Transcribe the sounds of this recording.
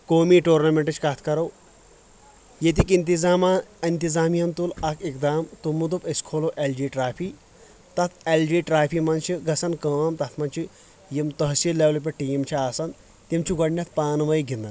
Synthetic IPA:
koːmiːʈoːɾnɐmeɳʈɨt͡ʃʰkat̪ʰkɐɾow | jet̪̬ikint̪̬izaːmaint̪izaːmijɐnt̪ulɐkʰikd̪aːmt̪umud̪upɐskʰoːloʔeld͡ʒiːʈɾaːpʰi | t̪ɐt̪ʰeld͡ʒiːʈɾaːpʰiːmɐnt͡ʃʰiɡɐsɐnkəːmt̪ɐt̪ʰmɐnt͡ʃʰi | jimt̪ɐɦsilːeːʋlɐp̬ʲeʈiːmt͡ʃʰiaːsɐn | t̪imt͡ʃʰiɡɐɽnʲɐt̪̚ʰpaːnʋɐjɡind̪ɐn

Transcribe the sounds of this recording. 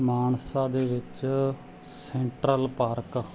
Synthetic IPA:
maːnsaːd̪eːʋɪt͡ʃ | sɛːɳʈɾəlpaːɾk

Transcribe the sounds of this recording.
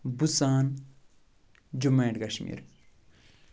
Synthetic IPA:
busaːn | d͡ʒumeːɖkɐʃmḭːɾ

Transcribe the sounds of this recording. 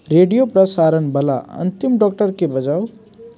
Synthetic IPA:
ɾeɖijopɾʌsaɾənbʌla̰ʌ̰nt̪imɖɔk̚ʈʌrkebʌd͡ʒaw

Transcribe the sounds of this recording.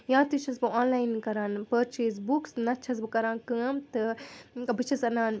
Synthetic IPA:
jãːt̪ɨt͡ʃʰɐsbɨaːnlaːjnkɐɾaːnpəɾt͡ʃeːs̬buksnɐt͡ʃʰɐsbɨkɐɾãːnkɨɐmt̪ɨkɐbɨt͡ʃʰɐsɐnaːn

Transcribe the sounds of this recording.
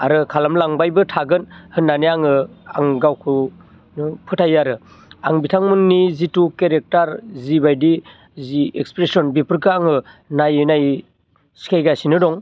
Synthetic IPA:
aɾɯkʰalamlaŋbajbɯtʰaɡɯnhɯnːaneaŋɯa̰ŋɡawkʰɯ | nɯpʰɯtʰajaɾɯ | aŋbitʰaŋmɯŋnizitukeɾek̚taɾzibajdi | ziekspɾesɔnbipʰɯɾkɯaŋɯnajɯnaj | si̥kʰajɡasinɯdɔŋ

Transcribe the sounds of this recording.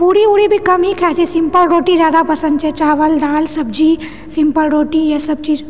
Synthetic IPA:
puːɽiuːɽibʱikɐmɦikʰɛːt͡ʃisĩmpəlɾoːʈiɾaːd̪apɐsənt͡ʃʰɛt͡ʃaːʋəld̪aːlsɐb̚d͡ʒi | sĩmpəlɾoːʈijɐsɐb̚t͡ʃiːd͡ʒ

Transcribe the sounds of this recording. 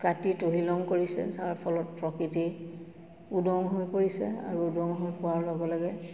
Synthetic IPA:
katitoɦilɔŋkoɹisɛ̰saɹpʰɔlɔt̚pɹɔkɹiti | udɔŋɦojpoɹisɛ̰a̰ɹuudɔŋɦojpʊwaɹlɔɡɔlɔɡɛ

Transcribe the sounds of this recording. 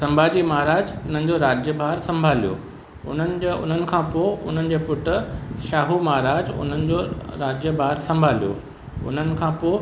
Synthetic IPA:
sɐ̃mbʱaːd͡ʑimaɦɾaːd͡ʑʊn̤ənɪ̆d͡ʑoɾaːd͡ʑjəbʱaːɾsɐ̃mbʱaːlijo̰ː | ʊ̰n̤ənɪ̆d͡ʑʊ̰n̤ənɪ̆kʰãːpoːʊ̰n̤ənɪ̆d͡ʑeːpʊʈʃaːɦumaɦɾaːd͡ʑʊ̰n̤ənɪ̆d͡ʑoɾaːd͡ʑjəbʱaːɾsɐ̃mbʱaːlijo̰ | ʊ̰n̤ənɪ̆kʰãːpoː

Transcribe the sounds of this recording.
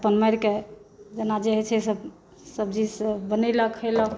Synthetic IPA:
əpənməjɾked͡ʒenad͡ʒeɦɛt͡ʃʰɛsəb | səb̚d͡ʒiəbəneləkʰələkʰ

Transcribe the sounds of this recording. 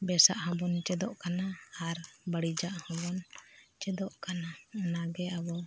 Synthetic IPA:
bɛsa̰ʔhɔ̃bɔnt͡ʃɛd̪ɔʔkanaːɾbəɽid͡ʒaʔhɔ̃bɔnt͡ʃɛd̪ɔʔkananaɡɛabɔ

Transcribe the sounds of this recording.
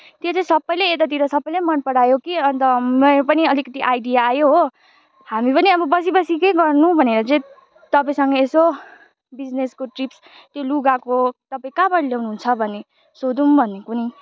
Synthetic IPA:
t̪jot͡sʌĩsʌbːʌjleet̪at̪̬iɾʌsʌbːʌjlamʌnpʌɽajokiʌnt̪ʌmʌpʌniʌlikʌt̪iʔajɖijaːjoɦo | hamipʌniʌbʌbʌs̬ibʌsikejɡʌrnubʱʌneɾʌt͡sʌ̃ĩ | t̪ʌpaĩsʌŋɡʌeso | bid͡zneskoʈrips | t̪joluɡakot̪ʌpaĩkabʌɽljawnuɦunt͡sʰʌbʱʌnːe | sod̪umbʱʌnːekuni

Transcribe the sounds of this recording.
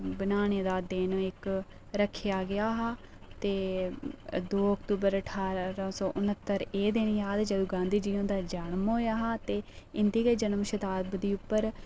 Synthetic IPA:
bənaːneːd̪aːd̪ɪnɪk | ɾəkʰɪjaːɡɪjaːɦaː | t̪eː | d̪oːəkt̪uːbəɾəʈʰaːɾãːsɔːʔʊnət̪ːəɾeːd̪eːñiːaːt̪eːd͡ʒəd̪ũːɡãːnd̪iːd͡ʒiːõːd̪aːd͡ʒaːɳmɦoːjaːɦaːt̪eːɪnd̪iːɡəiːd͡ʒənmʃət̪aːbd̪iːʊpːəɾ

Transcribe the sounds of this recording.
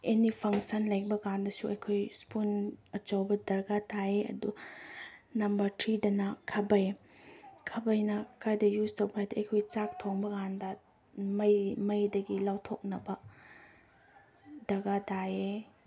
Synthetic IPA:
enipʰɐŋsɐnlɐjk̚bɐɡandɐsuɐjkʰojspunɐt͡ʃawbɐdɐɾɡataeɐ̰du | nɐmbɐɾtʰɾidɐnɐkʰɐbɐj | kʰɐbɐjnɐkajdɐjuztowbɾajdɐɐjkʰojt͡ʃak̚tʰoŋbɐɡandɐ | mɐjmɐjdɐɡilawtʰok̚nɐbɐ | dɐɾɡadae

